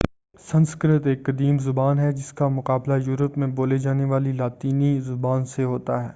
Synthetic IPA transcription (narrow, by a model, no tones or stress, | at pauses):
sɐ̃nskɾɪt̪eːkːɐd̪iːmzʊbaːnɦɛd͡ʒɪskamʊqaːblajuːɾəpmẽboːled͡ʒaːneʋaːlilaːt̪iːnizʊbaːnseɦoːt̪aɦɛ̰ː